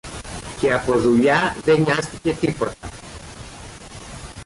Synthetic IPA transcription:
keapoðuʎaðeɲast̪iket̪ipot̪a

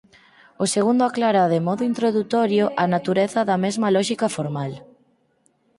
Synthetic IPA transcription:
oseɣ̞und̪oaklaɾaðemɔðʊint̪ɾoðut̪ɔɾjoʔanat̪uɾeθɐðɐmezmalɔʃikafoɾmal

